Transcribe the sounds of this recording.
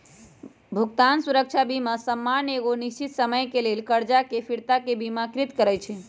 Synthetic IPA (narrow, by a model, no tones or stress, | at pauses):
bʱuɡt̪ansuɾək̚t͡ʃʰabimasəmːaneɣoniʃt͡ʃit̪səməjkelelkəɾd͡ʒakepʰiɾt̪akebimakɾit̪kəɾɛt͡ʃʰɛ